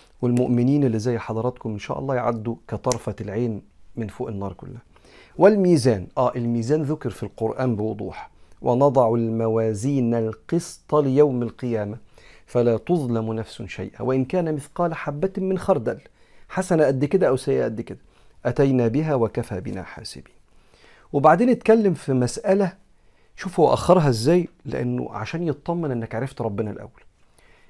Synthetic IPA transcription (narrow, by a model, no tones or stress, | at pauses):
wɪlmʊʔmɪniːnɪlːɪzæːjːħɑd̪ˤɑɾˤɑt̪kʊmʔɪnʃæ̰ːʔɑ̰lˤːɑːjʕa̰d̪ːukæt̪ˤɑɾˤfælʕeːnmɪnfoːʔɪnːɑːɾˤkʊlːæhæ | wɪlmiːzæːnʔæːʔɪlmiːzæːnðʊkɪɾˤfilqoɾʔæːmbɪwʊd̪ˤṵːħwʔɪnɑd̪ˤɑʕʊlmæwæːziːnælqɨst̪ˤɑlɪjawmalqɨjæːmæfælæːt̪oðˤlɑmnæfsʊʃæ̰jʔæ̰wɪʔɪnkæːnæmɪθqɑːlħabːæt̪mːɪnxɑɾˤd̪æl | ħasænæʔæd̪ːkɪd̪æʔæwsæjʔæʔæd̪ːkɪd̪æ̥ | ʔæt̪æjnæbɪɦæwækæfæbɪnæ̰ħa̰ːsɪ̰bi̥ːn | wɪbaʕd̪eːnɪt̪kælːɪmfimæsʔælæ | ʃuːfwæʔæ̰xːɑɾˤɦɑɪzːæːjlɪ̰ʔa̰nːʊ̰ʕa̰ʃæːnjet̪d̪ˤɑmːɑnʔɪnːækʕaɾˤɪft̪ɾˤɑbːɪnælʔæ̰wːæl